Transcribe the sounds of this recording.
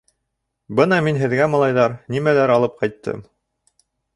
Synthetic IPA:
bɤnɑminɦɘ̆ðɡæmɑlˠɑjðɑɾnimælæɾɑlˠɤp̚qɑjt̪ːɤ̰m

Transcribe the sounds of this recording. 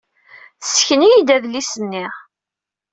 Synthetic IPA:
sə̥çənijid̪æðlisənːiʁ

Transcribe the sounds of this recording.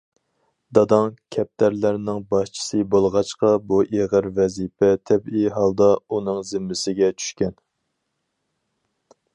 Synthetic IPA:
d̪ɑd̪ɑŋkʲʰɛp̚t̪ʰæɾlæɾnɪŋbɑʃt͡ʃʰi̥sɨbolˠʁɑt͡ʃqɑbuʔeʁəɾvɛzipʰɛt̪ʰɛbiɦɑlˠd̪ɑunɨŋzɪmːɪsɪɡʲɛt͡ʃʰy̥ʃkʲɛn

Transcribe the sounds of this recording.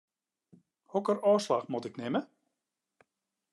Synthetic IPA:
hɔkərɔːslaxmɔtɪknɪmə

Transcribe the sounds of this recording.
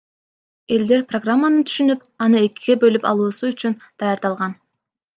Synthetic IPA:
e̞ld̪e̞ɾproɡramːanɯt̪ʰy̥ʃynyp | ɑnɯe̞kʲiɡʲe̞bø̞lypɑ̰lˠuːsuyt͡ʃynd̪̥ɑjaɾd̪ɑlˠʁɑn

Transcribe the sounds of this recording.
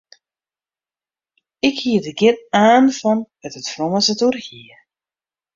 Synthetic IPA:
ɪkhiədəɡɪnaːnfɔnʋɛtətfroməsəturhiə

